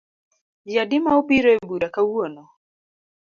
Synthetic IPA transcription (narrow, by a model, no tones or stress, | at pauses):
jadimaupiɾɔɛbuɾakauɔnɔ